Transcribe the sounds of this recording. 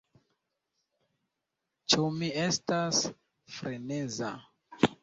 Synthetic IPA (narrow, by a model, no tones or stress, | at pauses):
t͡ʃumie̞stas | fɾene̞za